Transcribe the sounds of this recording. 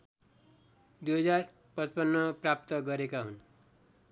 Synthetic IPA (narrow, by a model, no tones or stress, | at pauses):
d̪ujɦʌd͡zar | pʌt͡spʌnːʌprap̚t̪ʌɡʌɾekaɦun